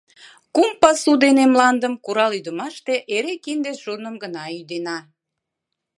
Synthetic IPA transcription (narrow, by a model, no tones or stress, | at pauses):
kumpɑsud̪enemlɑnd̪əmkuɾɑlyd̪əmɑʃt̪eʔeɾekind̪eʒ̥urnəmɡənɑyd̪enɑ